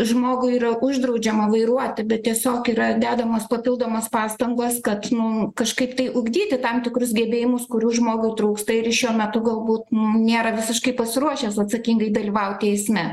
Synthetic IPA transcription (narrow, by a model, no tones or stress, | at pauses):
ʒmoːɡʊiːɾɐʊʒd̪ɾɐʊd͡ʒʲɛmɐʋɐɪɾuɔt̪ʲɪbʲɛt̪̚t̪ʲiɛsʲoːkiːɾɐd̪ʲæːd̪ɐmɐspɐpʲɪlˠd̪oːmɐspɑːst̪ɐŋɡɐskɐt̪nʊkɐʃkɐɪpt̪ɐɪʔʊɡd̪ʲiːt̪ʲɪt̪ɐmt̪ʲɪkɾʊsɡʲɛbʲeːjɪmʊskʊɾʲuːʒmoːɡʊɪt̪ɾɐʊkst̪ɐɪɾɪʃʲuɔmʲɛt̪ʊɡɐlˠbuːt̪nʊnʲeːɾɐʋʲɪsʲɪʃkɐɪpɐsʲɪɾuɔʃʲɛːsɐt̪sɐkʲiŋɡɐɪd̪ɐlʲiʋɐʊt̪ʲɛɪsʲmʲɛ